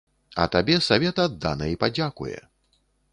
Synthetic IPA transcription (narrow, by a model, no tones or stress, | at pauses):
ɐ̰t̪abʲɛsavʲɛt̪ɐːd̪ːa̰nɐipad͡zʲakṵjɛ̰